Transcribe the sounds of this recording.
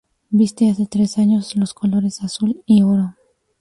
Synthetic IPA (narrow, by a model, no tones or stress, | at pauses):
bist̪easet̪ɾesaɲo̞slosko̞lo̞ɾesasulioɾo